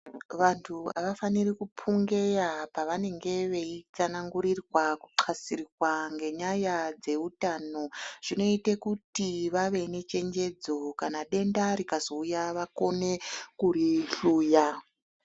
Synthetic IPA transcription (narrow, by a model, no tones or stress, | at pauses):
ʋantʰua̰ʋafanirikupʰuŋɡe̞japaʋane̞ŋɡe̞ʋeit͡sanaŋɡuɾirwaku̥ǃʰasirirwaŋɡe̞ɲajad͡ze̞utaːno̞ʐ̥ino̞itekutiʋaʋe̞ne̞t͡ʃe̞ɲd͡ʒe̞d͡zo̞kanaɗe̞ndaɾikazo̞ujaʋako̞ne̞kuɾiɬuːja